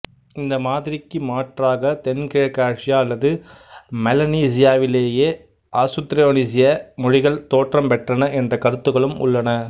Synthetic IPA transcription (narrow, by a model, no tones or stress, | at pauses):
ɪnd̪ɐmaːðɪɾɪkːɯmaːʈraːɣɐt̪ɛnkɪɻɐkːaːt͡ʃɪjaːɐlːɐðɯ | mɛlɐniːs̬ɪjaːʋɪleːjeː | ʔaːsʊt̪ːɾɐjoːnis̬ɪjɐmʊɻɪɣɐɭt̪oːʈrɐmpɛʈrɐnɐʔɛndrɐkɐɾɯt̪ːɯɣɐɭɯmʊ̰ɭːɐnɐ